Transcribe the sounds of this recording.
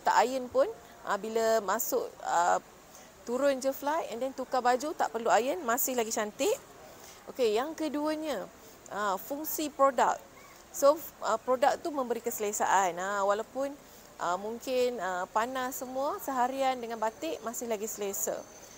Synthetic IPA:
t̪a̰ʔajənpʊn | ʔa̰biləmasʊʔə̰ | t̪uɾʊnd͡ʒəflajɛndɛnt̪ukabad͡ʒut̪a̰ʔpərluajənmasɪhlaɡit͡ʃant̪ɪʔ | ʔokejaŋkəduəɲə | ʔəfuŋsipɾoda̰k̚ | soəpɾodak̚t̪umə̃mbəɾikəsəlesa̰ʔanawalawpʊn | ʔəmuŋkɪnəpanasəmũəsəɦaɾiandəŋãnbat̪ɪʔmasɪhlaɡisəlesə̰

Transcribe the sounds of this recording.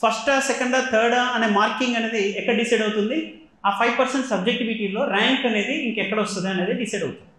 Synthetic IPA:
pʰɐsʈɐsɛkɐɳɖaːt̪ʰɐːɾɖɐne̞ːmaːɾkiŋɡɐne̞ːd̪iɛkːɐɽɐɖisɐjɖɐwut̪und̪i | aːpʰɐjʋpɐɾseɳʈsɐb̚d͡ʒek̚ʈiʋiʈiːlo̞ːɾaːŋkɐne̞ːd̪iiŋkɛkːɐɽɐɔst̪und̪iɐne̞ːd̪iɖisɐjɖɐwut̪uni̥

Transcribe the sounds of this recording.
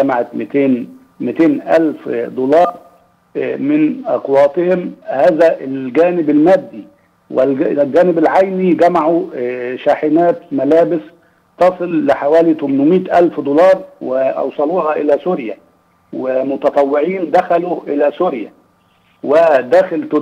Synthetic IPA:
ɡæmaʕat̪mt̪eːn | mɪt̪eːnʔæ̰lfd̪olɑːɾˤ | mɪnʔɑqwɑːt̪ˤehemhæːzæʔelɡæːnɪbælmæːd̪ːi | welɡæːnɪbælʕajniɡæmaʕuʃaːħɪnæːt̪mælæːbɪs | t̪ɑsˤɨlːɪħawæːlit̪ʊmenmiːt̪ʔælfd̪olɑːɾˤweʔɑ̰wsˤɑluːhɑʔɪlæsuɾjæ̰ | wɪmʊt̪ɑt̪ˤɑwːɪʕiːnd̪æxæluːʔɪlæsuɾjæ̰ | wed̪æxɪlt̪

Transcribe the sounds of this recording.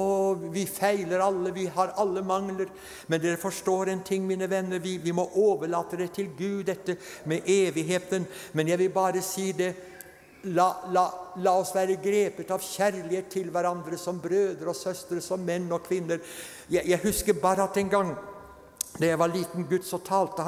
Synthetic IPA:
ɔʋɪfæɪləɾɑlːəʋɪɦɑɾɑlːəmɑŋləɾ | mɛnd̪ɛɾfɔʂʈoːɾɛnt̪ʰɪŋːmiːnəʋɛnːəɾʋɪʋɪmɔʔoːʋəɭɑːt̪əd̪ɛt̪ʰɪlɡʉːd̪ːɛt̪ːəmɛʔeːʋɪɦeːt̪ənmɛnjæɪʋɪlbɑːɾəsiːd̪ɛ | lɑːlɑːlɑːɔsʋæːɾəɡɾeːpət̪ɑʋçæɾlɪeːt̪ʰːɪlʋæɾɑnd̪ɾəsɔmbɾøːd̪əɾɔsœst̪əɾsɔmːɛnːɔkʰʋɪnːəɾ | jæjæɪhʉskəɾbɑːɾəɑt̪ːɛnɡɑŋː | d̪ɑjæɪʋɑɭiːt̪n̩ɡʉd̪sɔmt̪ʰɑːlt̪ə

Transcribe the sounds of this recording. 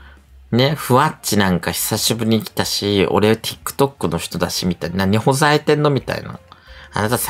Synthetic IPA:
ne̞ɸɯ̟βat͡ɕinãŋkaçi̥saɕibɯ̟ɾ̟ʲiːkʲi̥t̪aɕio̞̰ɾe̞at̪ʲʰi̥kːɯ̟̥t̪o̞kːɯ̟no̞çʲi̥t̪o̞d̪aɕimʲit̪ainaɲ̟iho̞zait̪ẽ̞nːo̞mʲit̪a̰ḭna̰a̰nat̪as

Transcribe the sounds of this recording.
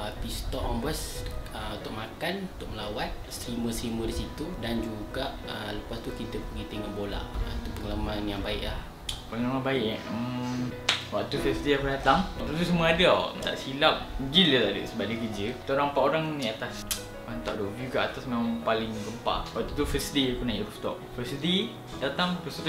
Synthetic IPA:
əpist̪ɔʔɔmbəsəut̪ʊʔ̚makanut̪ʊʔ̚məlawat̪̚sɾiməsɾimədisit̪udand͡ʒuɡaʔələpast̪ukit̪əpəɡit̪iŋaʔbola̰t̪upəŋələmanjaŋbaɪʔlah | pəŋəlamanbaɪʔʔ | waʔ̚t̪ufəsdeahpənat̪aŋwaʔ̚t̪ut̪̬us̬əmuəadəa̰t̪a̰ʔsilap̚ɡilət̪adə̰səbaʔ̚dəkəd͡ʒəki̥t̪oɾaŋpaʔoɾaŋniat̪as | aŋt̪a̰ʔdobjukaʔat̪asmemaŋpalɪŋɡəmpa̰ʔwaʔ̚t̪ut̪ufəsdekunaiɾuft̪ɔʔ̚fəsde | dat̪aŋpəst̪ut̪

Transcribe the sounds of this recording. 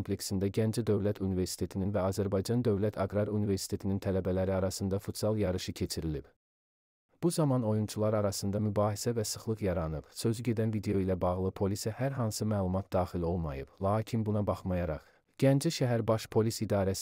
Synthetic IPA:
mpʰle̞ksind̪æɟænd͡ʒid̪ø̞vlæt̪ʰunive̞ɾsi̥t̪ʰe̞t̪ʰininvæɑːzæɾbɑjd͡ʒɑnd̪ø̞vlæt̪ʰɑɡɾɑɾunive̞ɾsi̥t̪ʰe̞t̪ʰinint̪ʰælæbælæɾiɑɾɑsɯnd̪ɑfut̪sɑlˠjɑɾɯʃɯcʰe̞t͡ʃʰiɾilib̥ | b̥uzɑmɑno̞junt͡ʃʰulˠɑɾɑɾɑsɯnd̪ɑmybɑːhisævæsɯχlˠɯʁjɑɾɑnɯbsø̞zyɟe̞d̪ænvid̪e̞jo̞ilæbɑʁlˠɯpʰo̞lisæhæɾɦɑnsɯmæːlˠumɑt̪̚d̪ɑːχilo̞lˠmɑ̰jɯb̥lˠɑːcʰinbunɑbɑχmɑjɑɾɑ̰χ | ɟ̥ænd͡ʒiʃæɦæɾbɑʃpʰo̞lisid̪ɑːɾæs

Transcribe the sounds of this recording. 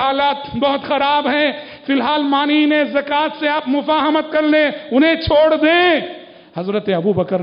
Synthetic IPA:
ɦaːlaːt̪bɐɦʊt̪xɐɾaːbɦɛ̃ | fɪlɦaːlmaːninẽzɐkaːt̪seaːpmʊfaːɦəmət̪̚kɐɾneʊnɦẽt͡ʃʰoːɽd̪ẽː | hɐzɾət̪eɐbubɐkəɾ

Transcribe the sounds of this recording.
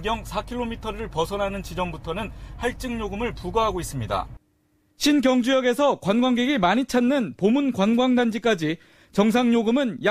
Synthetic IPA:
ɡjʌŋsʰakʰiɭːomitʰʌɾɯɭpʌsʰʌnɦanɯnt͡ɕid͡ʑʌmbutʰʌnɯnhaɭt͡ɕ͈ɯŋɲoɡɯmɯɭpuɡaɦaɡois͈ɯmɲida̰ | ɕʰinɡjʌŋd͡ʑujʌɡe̞sʰʌkwanɡwaŋɡeɡimaɲit͡ɕʰanːɯnpomunkwanɡwaŋdand͡ʑik͈ad͡ʑi | t͡ɕʌŋs̬ʰaŋɲoɡɯmɯnja

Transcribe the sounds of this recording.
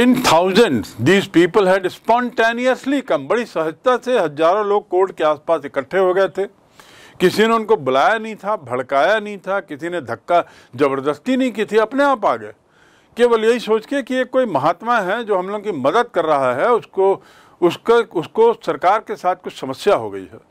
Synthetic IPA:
t̪ɪnt̪ʰaːʊzə̃ɳɖsd̪iːzpiːpəlɦɛ̃ɖɪspɔ̃ːɳʈeːniəslikɐ̃mbɐɽisɐɦəd͡ʒt̪aseɦɐaːɾõloːɡ̚koːɾɖkeaːspaːsɪkəʈʰːeɦoɡɐet̪ʰeː | kɪsineʊ̃nkobʊlaːjanɐɦĩt̪ʰabʱɐɭkaːjanɐɦĩt̪ʰakɪsined̪ʱɐkːa | d͡ʒɐbəɾd̪əst̪inɐɦĩk̬it̪ʰiɐpneaːpaːɡəḛ | keːʋəljɐɦisoːt͡ʃkeekijekoːimɐɦaːt̪maɦɛd͡ʒoːɦɐ̃mloːɡõkimɐd̪əd̪̚kɐɾːɐɦaɦɛʊsko | ʊskeʊskosɐɾkaːɾkesaːt̪̚ʰkʊt͡ʃʰsɐməsjaɦo̰ɡɐḭɦɛ̰ː

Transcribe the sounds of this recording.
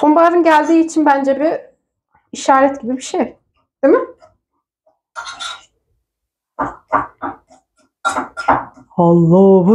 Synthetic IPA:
bombaɾɯnɟælʲd̪iːt͡ʃʰinbænd͡ʒɛbiː | ʃaːɾɛt̪ɟibibiʃej | d̪̥emɪ | ɑlˠːɑːɦɯ

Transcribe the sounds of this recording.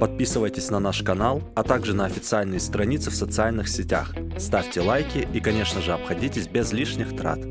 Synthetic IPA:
pɐt̪̚pʲisɨvəjtʲɪsʲnɐnaʂkɐnalˠɐt̪aɡʐɨnɐɐfʲɪt̪sɨalʲnɨjəst̪ɾɐnʲit̪sɨfsət̪sɨalʲnɨxsʲɪtʲa̰x | st̪afʲtʲɪlˠajkʲɪʔikɐnʲe̞ʂnəʐɨɐpxɐdʲitʲɪsʲbʲezlʲiʂnʲɪxt̪ɾa̰t̪

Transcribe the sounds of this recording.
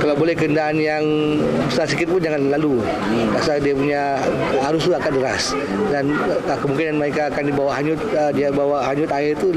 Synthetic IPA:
kalawbolɛhkəəndaʔanjaŋ | bəsarsikɪt̪̚pʊnd͡ʒaŋanlalu | pasaldiapuɲa | aɾʊst̪uakandəɾa̰s | danəkəmuŋkɪnanmaɾekaːkandibawaʔɦaɲʊt̪̚ədiabawahaɲʊt̪aɪrt̪u

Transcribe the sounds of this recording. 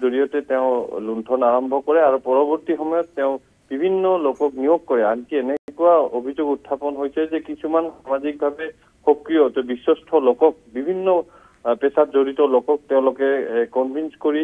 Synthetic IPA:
zoɹijɔtɛtɛʊ̃luntʰɔnaɹɔmbʱɔkɔɹɛaɹupɔɹɔbɔɹtixɔmɔjɔtːɛʊ̃ | b̥ibʱinːɔlokɔknijokkːɔɹɛankienɛkʊaobʱizoɡutʰːapɔnɦojsɛzɛkisumansamazik̚bʱabɛ | xokɹijɔtɔbisɔstʰɔlokɔk̚bibʱinːɔ | pɛsatzoɹitɔlokɔk̚tɛʊ̃lokɛkɔnbʱinskoɹi

